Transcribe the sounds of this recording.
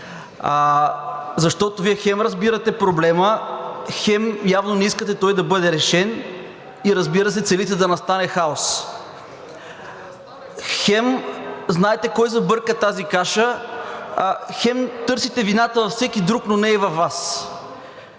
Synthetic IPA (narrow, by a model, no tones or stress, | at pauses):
zɐʃt̪ɔt̪ovijɛxɛmɾɐzbiɾɐt̪ɛpɾoblɛməxɛmjavnonɛiskət̪ɛt̪ɔjd̪ɐbɤd̪ɛɾɛʃɛn | iɾɐzbiɾɐsɛt̪sɛlit̪ɛd̪ɐnɐst̪anɛxaos | xɛmznaɛt̪ɛkɔjzɐbɤɾkət̪azikaʃə | xɛmt̪ɤɾsit̪ɛvinat̪əvɐfsɛkid̪ɾuknonɛɛvɐfːas